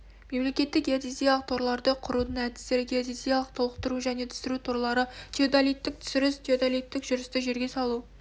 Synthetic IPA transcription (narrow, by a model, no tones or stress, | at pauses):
me̞mle̞kʲe̞t̪ːɪkjet̪izijɑlˠəq̚t̪ʰoɾlˠɑɾd̪əqʰʊɾud̪əɴæd̪ɪst̪e̞ɾɪɡʲeet̪izijɑlˠəq̚t̪ʰo̞lˠəqt̪əɾuʒæne̞t̪ʰʏ̥sɪɾut̪ʰoɾlˠɑɾət̪ʲʰeod̪alijt̪ːɪk̚t̪ʰʏ̥sɪɾɪst̪ʰʲeod̪alijt̪ːɪkʒʊɾɪst̪ɪʒe̞ɾɡʲe̞sɑlˠu